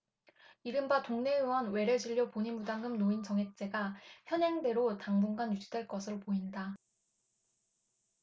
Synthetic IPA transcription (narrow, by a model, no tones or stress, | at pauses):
iɾɯmbatoŋne̞juwʌnwe̞ɾed͡ʑiʎːopoɲimudaŋɡɯmnoint͡ɕʌŋɦe̞k̚t͡ɕ͈e̞ɡaçjʌɲɦeŋde̞ɾotaŋbuŋɡanjud͡ʑidwe̞ɭk͈ʌsʰɯɾopoinda